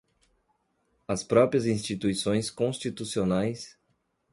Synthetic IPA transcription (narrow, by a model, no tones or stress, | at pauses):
ɐspɾɔpɾiɐzĩst͡ʃit̪uisõj̃skõst͡ʃit̪usionajs